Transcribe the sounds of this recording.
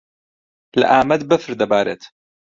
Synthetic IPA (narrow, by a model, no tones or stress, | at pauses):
la̰ʔaːmɐd̪bɐfɾd̪abaːɾɛ̰t̪